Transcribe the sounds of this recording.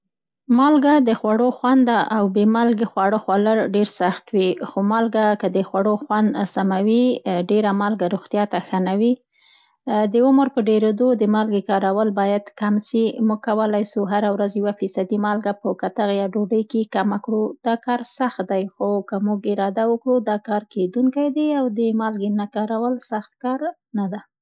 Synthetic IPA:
mɑlɡad̪əxwaɽoxwand̪aʔawbemalɡexwɑɽoxwaləɾɖeɾsaxt̪wixomɑlɡakəd̪əxwaɽoxwand̪samawiɖeɾamɑlɡaɾoɣt̪jɑt̪axanawi | d̪əʊməɾpəɖeɾed̪od̪əmalɡekɑɾawəlbɑjad̪kamsimuɡ̚kawəlajsuɦaɾawɾazjawafisad̪imɑlɡapəkat̪aɣjɑɖoɖəjkekamakɽud̪ɑkɑɾsaxt̪̚d̪ajxokamuɡɪɾɑd̪awəkɽud̪ɑkɑɾked̪uŋkajd̪eawd̪əmɑlɡenakɑɾawəlsaxt̪̚kɑɾ | nad̪a

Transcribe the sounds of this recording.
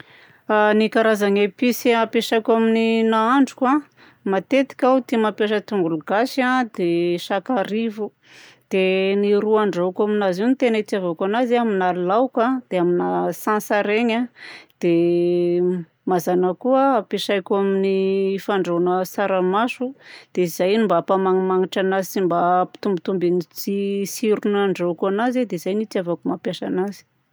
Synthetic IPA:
anikaɾazaŋepisiapeʃajkʲamininaaɳɖ͡ʐu̥kwa | mat̪et̪i̥kʲawut̪imapjaʃ̬ət̪uŋɡuluɡaʃad̪eʃakaɾivu | d̪̥eniɾuaɳɖ͡ʐokaminaziunit̪enaitiavokanaziaminaɾilawkad̪̥eaminasãnsaɾeɲad̪̥e | mazanəkuəapeʃajkʲaminifaɳɖ͡ʐonəsaɾəmasud̪̥eiz̥ajnimbapamaŋimaŋiʈ͡ʂanazisimbapi̥t̪umbit̪umbinit͡sisiɾunaɳɖ͡ʐokanazed̪eizajnit͡siavakumapjaʃanazi̥

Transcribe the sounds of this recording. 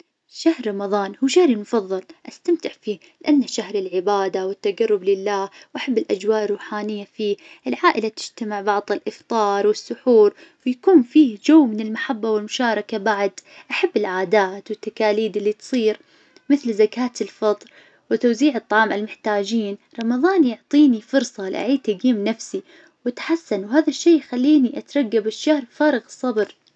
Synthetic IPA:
ʃahɾɾˤɑmɑðˤɑːnhuːʃahɾimʊfɑðˤːɑlʔast̪amt̪ɪʕfiː | lɪʔanːʃahɾɪlʕɪbaːd̪awɪt̪ːaɡɑrːʊblɪlːaːwʔaħabːɪlʔad͡ʒwaːʔɪrˤːuːħaːnɪjːafiː | ʔɪlʕaːʔɪlat̪ɪ̥d͡ʒt̪amɪʕbɑʕðˤɪlʔɪft̪ˤɑːɾˤwɪsːʊħuːɾwɪjakuːnfiːd͡ʒawːmɪnɪlmaħabːawɪlmʊʃaːɾˤɑkabaʕd̪ʔaħabːɪlʕaːd̪aːt̪wɪt̪ːakaːliːd̪ɪlːit̪sˤiːɾ | mɪθlzakaːt̪ɪlfɑt̪ˤɾ | wɪt̪awziːʕɨt̪ˤːɑʕɑːmʔalmʊħt̪aːd͡ʒiːnɾˤɑmɑðˤɑːnjʊʕt̪ˤiːnifʊɾsˤɑlɪ̰ʔa̰ʕiːt̪aɡiːmnafsi | wɪt̪ħasːanwhaːðaʃːeːjxalːiːniʔat̪ɾˤɑɡːabɪʃːahɾfaːɾˤɑɣɨsˤːɑbɾ

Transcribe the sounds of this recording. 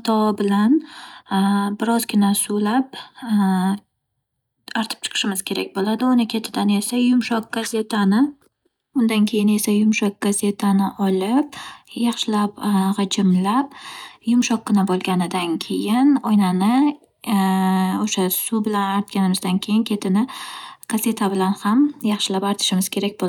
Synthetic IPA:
t̪ʰɒbɪlan | bɪɾɒzɡʲɪnasulap̚ | aɾt̪ʰɪ̥p̚t͡ʃʰɨ̥qʰɨ̥ʃɪmɪz̥kʲʰe̞ɾa̰k̚ʲbolˠad̪ɪʊnɪkʲʰat͡ʃ̪ʰɪd̪ane̞sajʊmʃɒq̚ɡ̥aze̞t̪ʰanɪ | ʊnd̪ankʲʰe̞jɪne̞sajʊmʃɒk̚ɡ̥aze̞t̪ʰanɪʔɒlɪp̚jɑχʃɪlapʁɑd͡ʒɪmlapjʊmʃɒqːɨnabolˠɡʲanɪd̪ankʲʰe̞jɪnɒjnanɪ | oʃasʊbɪlanaɾt̪̚kʲanɪmɪzd̪ankʲʰe̞jɪnkʲʰe̞t̪ʰɪnɪɡ̥aze̞t̪ʰabɪlanhamjɑχʃɪlapaɾt̪ʰɪ̥ʃɪmɪz̥kʲʰe̞ɾak̚ʲbo

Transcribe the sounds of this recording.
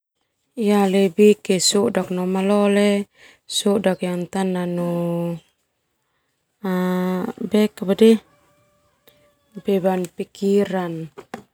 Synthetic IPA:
ialɛbikɛsuʔdak̚nɔmalɔlɛ | sudakjaŋt̪ananu | a | bɛkabadɛ | bɛbanpikiɾan

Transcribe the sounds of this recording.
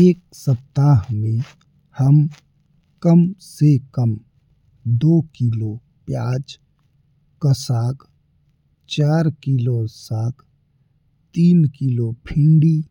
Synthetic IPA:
eːk̚ | səp̚t̪aːɦmẽ | həm | kəmsekəm | d̪oːkiːloː | pjaːd͡ʒ | kəsaːk | t͡ʃaːɾkilosaːkʰ | t̪iːnkilopʰɪ̃ɳɖiː

